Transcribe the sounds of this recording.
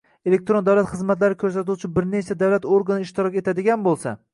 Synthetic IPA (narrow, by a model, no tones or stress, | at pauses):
elek̚t̪ɾond̪awlat̪χɨzmat̪laɾɪkʰɵɾs̬at̪uwt͡ʃʰɪbɪɾnet͡ʃʰad̪awlat̪oɾɡanɪɪʃt̪ɪɾɒkʲet̪ʰad̪ɪɡʲanbolˠsa̰